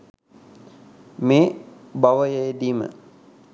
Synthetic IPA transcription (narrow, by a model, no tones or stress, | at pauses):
meː | baʋəjəjed̪iːmə̰